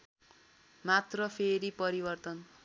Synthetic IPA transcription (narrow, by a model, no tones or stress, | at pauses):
mat̪rʌpʰeɾipʌɾibʌrt̪ʌn